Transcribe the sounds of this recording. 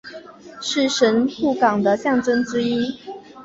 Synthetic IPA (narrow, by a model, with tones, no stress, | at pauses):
ʂɻ̩˥˨ʂə˧˦˥npu˥˩kɑ˨˩ŋd̪ə˦ɕjɑ˥˨˩ŋʈ͡ʂə˥˦ŋʈ͡ʂɻ̩˥i˥